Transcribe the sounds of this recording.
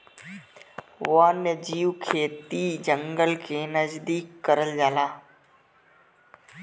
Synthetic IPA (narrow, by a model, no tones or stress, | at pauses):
ʋaːnəd͡ʒiːwkʰeːt̪iːd͡ʒəŋɡəlkʰeːnəzd̪iːkːəɾəld͡ʒaːlaː